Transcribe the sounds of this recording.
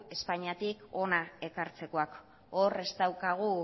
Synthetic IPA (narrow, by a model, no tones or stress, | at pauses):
e̞spaɲiat̪iko̞nae̞kaɾt͡se̞ko̞ak | ore̞zt̪awkaɣ̞u